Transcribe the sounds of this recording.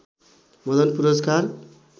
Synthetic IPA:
mʌd̪ʌnpuɾʌskar

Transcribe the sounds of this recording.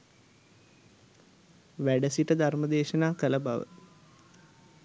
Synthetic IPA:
ʋæɖəsiʈəd̪ʱarməd̪eːʃənaːkələbaʋə̰

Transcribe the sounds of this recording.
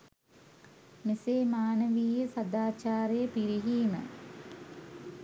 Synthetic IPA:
miseːmaːnəʋiːjəsad̪aːt͡ʃaːɾejəpiɾiɦiːmə̰

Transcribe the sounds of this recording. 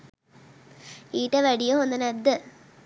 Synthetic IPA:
iːʈəʋæɖijoɦond̪ɐnæd̪ːə

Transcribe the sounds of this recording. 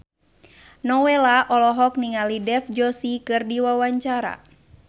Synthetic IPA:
nɔwɛlaʔɔlɔɦɔk̚niŋalidɛfd͡ʒɔsikɨrdiwawaɲt͡ʃaɾa̰

